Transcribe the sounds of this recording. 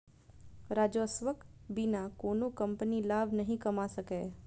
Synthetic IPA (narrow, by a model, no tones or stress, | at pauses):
ɾaːd͡ʒoːsʋəkbinakoːnũkɐ̃mpənilaːbʱnɐɦĩkɐmasəkeː